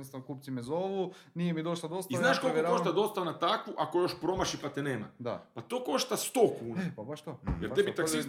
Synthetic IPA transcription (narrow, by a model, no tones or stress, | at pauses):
nost̪aʋnkuːpsimɛzoʋu | nijemid̪oʃlˠad̪ost̪izaznaːʃko̞lkokoʃt̪ad̪o̞st̪anat̪akʋuʔakojo̞ʃpɾomaʃipat̪eneːma̰d̪apat̪oːko̞ʃt̪ast̪oːkuːnbat̪ojeɾebit̪aksi